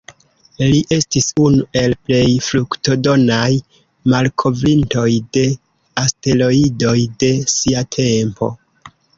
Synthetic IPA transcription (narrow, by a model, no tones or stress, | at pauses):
liʔe̞stisunuʔe̞lple̞jflukto̞do̞naj | malkʰo̞vɾinto̞jde̞ | aste̞lo̞ido̞jde̞siatʰe̞mpo̰